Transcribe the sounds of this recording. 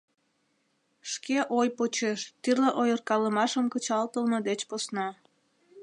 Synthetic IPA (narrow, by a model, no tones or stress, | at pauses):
ʃkeʔojpot͡ɕeʃt̪yrleʔojərkɑləmɑʃəmkət͡ɕɑlt̪əlmed̪et͡ɕposnɑ